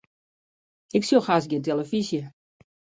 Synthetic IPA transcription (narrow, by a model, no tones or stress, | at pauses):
ɪksoxasɡɪnteləfisjə